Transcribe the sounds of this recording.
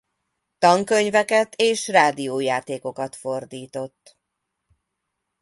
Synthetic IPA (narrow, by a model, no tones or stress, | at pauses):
t̪ɒŋkø̞ɲvɛkɛt̪eːʃraːd̪ioːjaːt̪eːko̞kɒt̪fo̞rd̪iːt̪o̞t̪ː